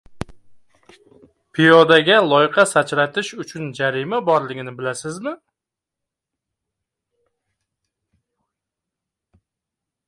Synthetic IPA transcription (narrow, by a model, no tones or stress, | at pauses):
pʰijɒd̪aɡʲalˠɒjqʰɑsat͡ʃɾat̪ɪʃʊt͡ʃʰʊnd͡ʒaɾimabɒɾlɪɡʲɪnɪbɪlasɪzmɪ